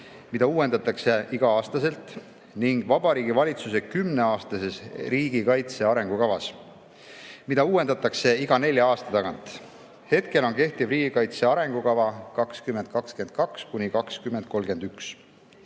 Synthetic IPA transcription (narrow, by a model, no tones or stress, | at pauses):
mid̪ɑuːwe̞nd̪ɑt̪ːˑɑkse̞ʔiɡ̥ɑɑːst̪ɑse̞lt̪ˑ | niŋɡ̥vɑb̥ɑɾiːɡivɑlʲit̪suse̞kymne̞ɑːst̪ɑse̞sriːɡ̥ikɑjt̪se̞ɑɾe̞ŋɡ̥ukɑvɑs | mid̪̥ɑuːwe̞nd̪ɑt̪ːˑɑkse̞iɡ̥ɑne̞lʲjɑɑːst̪ɑt̪ɑɡɑnt̪ˑ | he̞t̪ke̞lo̞nke̞ht̪ivriːɡ̥ikɑjt̪se̞ɑɾe̞ŋɡ̥ukɑvɑkɑkskymend̪̥̚kɑkske̞nd̪̥̚kɑkskunʲikɑkskymend̪̥̚ko̞lɡe̞nd̪̥yks